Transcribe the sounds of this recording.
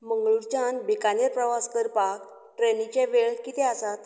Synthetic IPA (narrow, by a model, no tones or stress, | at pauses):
məŋɡɭuɾt͡ɕanbikaneɾpɾəʋaskəɾpak | ʈɾenit͡ɕeʋeɭkit̪ɛəsat̪